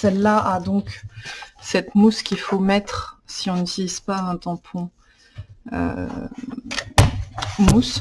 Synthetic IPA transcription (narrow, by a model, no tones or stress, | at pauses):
sɛlːaʔad̪ɔ̃k | sɛt̪muskʲilfomɛt̪χsiɔ̃nt̪ispaɛ̃t̪ɑ̃pʰɔ̃ | ø̰ | mus